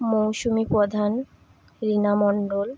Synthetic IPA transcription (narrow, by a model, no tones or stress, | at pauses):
mowʃumipɾɔd̪ʱan | ɾinamɔɳɖol